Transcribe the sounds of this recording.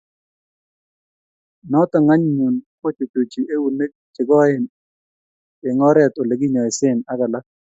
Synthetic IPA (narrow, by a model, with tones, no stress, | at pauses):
nɔ˦tɔ˨ŋa˦ɲɲu˨nko˦t͡ʃo˨t͡ʃu˨t͡ʃi˨ʔe˦wu˨ne˦k̚t͡ʃɪ˨ɡɔ˦ɪ˦˨n | ɪ˨ŋɔ˦ɾɛ˦˨to˨le˨ɡi˦ɲɔ˨ɪ˨sɪ˦na˦ka˨la˦k̚